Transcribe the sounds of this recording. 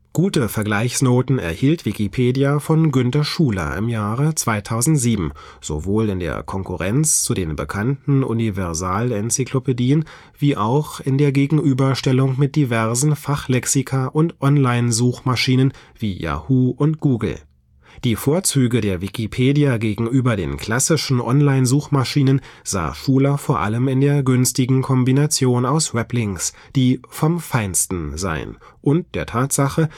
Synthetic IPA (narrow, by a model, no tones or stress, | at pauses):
ɡ̥uːtəfɛɐɡlaɪçsnoːtn̩ɛ̰ɐhiːltv̥ikipʰeːdjafɔnɡʏntɐʃuːlɐ̰ʔɪ̰mjaːʁət͡sv̥aɪtʰaʊzn̩tz̥iːbm̩ | z̥o̰voːlɪndḛːɐkʰɔŋkuʁɛnt͡st͡sudeːnbə̰kʰantn̩ʔṵnivɛɐzaːlɛnt͡sikʰlopediːən | v̥iːʔaʊxɪndeːɐɡeːɡŋ̩ʔyːbɐʃtɛlʊŋmɪt̚d̥ivɛɐzn̩faχlɛksikʰaʔʊntʔɔnlaɪnzuːxmaʃiːnənviːja̰huːʔʊntɡ̥uːɡl̩ | d̥iːfoːɐt͡syːɡədeːɐvikipʰeːdijaɡeːɡŋ̩ʔyːbɐdḛːnkl̥asɪʃn̩ʔɔnlaɪnzuːxmaʃiːnənz̥a̰ːʃuːlɐfoːɐʔa̰ləmɪndeːɐɡʏnstɪɡŋ̩kʰɔmbinat͡sjoːnaʊsʁɛplɪŋs | d̥iːfɔmfaɪnstn̩za̰ɪə̰nʔʊnt̚d̥eːɐtʰaːtz̥aχə